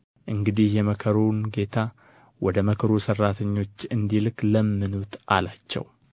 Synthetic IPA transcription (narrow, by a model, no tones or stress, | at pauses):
ʔɨŋɡɨd̪ihjɛməkʰəɾunɡe̞t̪ʰa | wɔd̪əməkʰɾusərːat̪ʰəɲːo̞t͡ʃːɨnd̪ilkləmːɨnut̪ʔalat͡ʃːɛ̰w